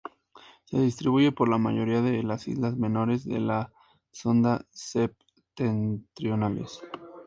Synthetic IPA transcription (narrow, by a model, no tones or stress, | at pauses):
se̞ðist̪ɾiβuʝe̞po̞ɾlamaʝo̞ɾiaðe̞lasḭzlazmẽ̞no̞ɾe̞zðe̞̰la | so̞nd̪asep | t̪ent̪ɾjo̞nale̞̰s